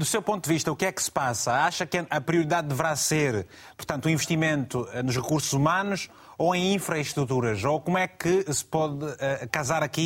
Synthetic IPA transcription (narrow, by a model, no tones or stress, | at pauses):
d̪usewpõnt̪ud̪ɨviʃt̪ɐukɛksɨ̥pasɐaʃɐkɐʔɐpɾiuɾiðaðdːɨvɨɾaseɾ | puɾt̪ɐ̃nt̪uĩvɨʃt̪imẽnt̪uɛnuʃʁɨkuɾsuzumɐnuʃ | oẽj̃ĩfɾɐiʃt̪ɾut̪̬uɾɐzokomwɛkɨsɨ̥pɔðɛkɐzaɾɐki